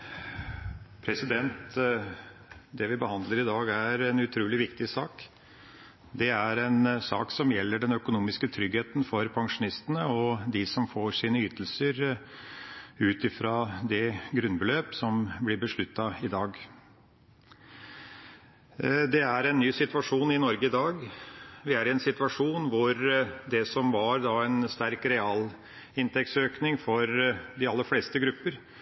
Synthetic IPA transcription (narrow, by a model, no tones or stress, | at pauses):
pʰɾɛsɪd̪ɛnt̪ | d̪ɛʋɪbəhɑnd̪ləɾɪd̪ɑːɡæɾɛnʉt̪ʰɾʉːlɪʋɪkt̪ɪsɑːk | d̪ɛæɾɛnsɑ̰ːksɔmjɛlːəɖɛnœkʊnuːmɪskət̪ʰɾʏɡheːt̪nfɔɾpʰɑŋʂʊnɪst̪ənəɔd̪ɪsɔmfoːʂiːnəyːt̪əlsəɾ | ʉːt̪ɪfɾɑd̪ɛɡɾʉnbəløːpsɔmblɪɾbəʂɭʉt̪ːɑɪd̪ɑːɡ | d̪ɛæɾɛnːyːsɪt̪ʋɑʂuːnɪnɔɾɡəɪd̪ɑːɡʋɪæɾɪɛnsɪt̪ʋɑʂuːnʋʊɾd̪ɛsɔmʋɑɾd̪ɑɛnst̪æɾkɾɛɑːl | ɪnt̪ɛkt̪søːknɪŋfɔɾd̪ɪɑlːəɾfleːst̪əɡɾʉpːəɾ